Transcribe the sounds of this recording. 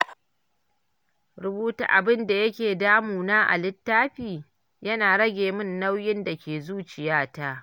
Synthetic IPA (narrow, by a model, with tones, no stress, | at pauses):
ɾʊ˨buː˦ta̰˨ʔa˨bɪ˦nda˨jɐ˦kʲeː˨daː˦muː˨naː˦ʔa̰˨lɪ˦tːaː˦ɸiː˨ | jɐ˦naː˨ɽɐ˦ɡʲeː˨mɪ˦nːa˦wjɪ˦nda˨kʲeː˨zuː˦t͡ʃɪ˨jaː˦ta˦ʔ